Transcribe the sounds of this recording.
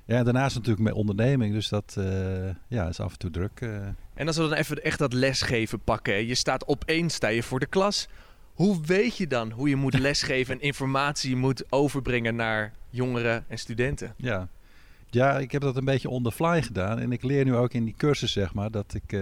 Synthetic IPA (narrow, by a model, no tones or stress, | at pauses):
jaɛndaɹnaːɪsnatyːləkmɛ̰nʔɔndəɹnejmɪŋdøsdɔt | jaɪsɑ̰fəntudrøkʔɛnɑs̬ʋədɑnɛfəɛχtdɑtlɛsχejvəpɑkəɛjəstaːtɔpʰejnstaːjəvʊːɹdəklɑs | huʋejtjədɑnɦujəmutlɛsχejvənɛnɪnfɔɹmaːtsijəmutowvəɹbrɪŋənaːɹjoŋərəɛnstydɛntə̰ja | jaɪkhɛp̚dɔtənbejjəɔndərflɛjχədaːnɛ̰nɪklɪːnyoːkɪndikøɹsəsːɛxmaːɹdɔtʰɪk